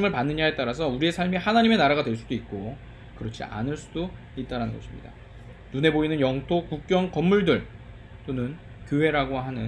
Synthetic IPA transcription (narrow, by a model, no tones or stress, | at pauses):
mɯɭpanːɯɲaɦet͈aɾas̬ʰʌuɾie̞sʰaɭmihanaɲime̞naɾaɡadweɭs͈udoit̚k͈o | kɯɾʌt͡ɕʰḭa̰nɯɭs͈udo | it̚t͈aɾanɯnɡʌɕʰimɲḭda̰ | nune̞boinɯnjʌŋtʰokuk̚k͈jʌŋkʌmːuɭdɯɭ | t͈onɯn | kjoɦe̞ɾaɡoɦanɯn